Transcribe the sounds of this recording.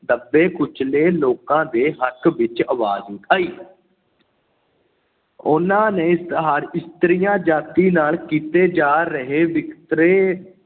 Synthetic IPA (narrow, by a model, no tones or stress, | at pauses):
d̪əbːeːkʊt͡ʃʰleːloːkãːd̪eːɦəkʋɪt͡ʃəʋaːziːkaːiː | ʊnãːneːɪst̪ɦaːɾɪst̪ɾɪjãːd͡ʒaːt̪iːnaːlkiːt̪eːd͡ʒaːɾəɦeːʋɪkt̪ɾeː